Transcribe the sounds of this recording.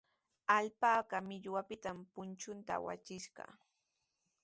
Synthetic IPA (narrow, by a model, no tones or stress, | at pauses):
aʎpaːɢɑmɪʎwapɪt̪ampʊnt͡ʃʊnt̪a̰wa̰t͡ʃɪʃɢɑ̰